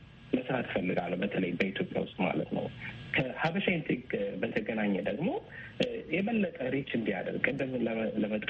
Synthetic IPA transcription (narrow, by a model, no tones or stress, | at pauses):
məsɨɾat̪fəlːɨɡalːəwbət̪ʰələjbəit̪ʰjopʼja̰wʊst̪ʼma̰lət̪nə̰wkʰəhaβəʃant̪ʰiɡbət̪ʰəɡənaɲːɛd̪əɡmo̞ | jɛβəlːət̪ʼəɾet͡ʃːɨnd̪ija̰d̪ə̰ɾɡʼɨnd̪əmləmət̪ʼ